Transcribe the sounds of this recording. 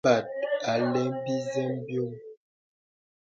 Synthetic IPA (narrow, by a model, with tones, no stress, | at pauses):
a˨t̚a˨lɛ˨˦mbi˦zɛ˦mbjo˦m